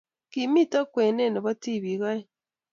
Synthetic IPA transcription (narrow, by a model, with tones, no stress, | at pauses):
ki˨mi˦to˦kweː˨ne˦ne˨βa˦ti˦˨βi˨ɣa˦je˦